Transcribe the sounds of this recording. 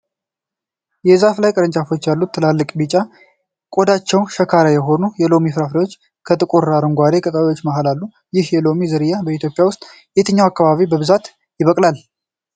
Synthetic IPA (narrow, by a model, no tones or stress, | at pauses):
jɛzaflajkʼəɾənt͡ʃʼafo̞t͡ʃːjalːut̪ʰːɨlalːɨkʼbit͡ʃʼa | kʼod̪at͡ʃːɛwʃəkʰaɾajɛɦo̞nujɛlo̞mifɾafɾajwo̞t͡ʃː | kʰət̪ʼɨkʼuɾaɾɨŋɡʷad̪ekʼət̪ʼaβiwo̞t͡ʃːmaɦalalːu | jɪhjɛlo̞mizɨɾɨjːabəit̪jo̞pʼːjawʊst̪ʼ | jet̪ʰəɲːawakːaβaβibəβɨzat̪ | jɪβəkʼlal